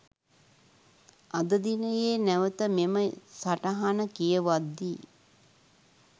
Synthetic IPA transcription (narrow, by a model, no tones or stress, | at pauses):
ad̪əd̪inəjeːnæʋət̪əmeməsaʈaɦanəkijəʋad̪ːiː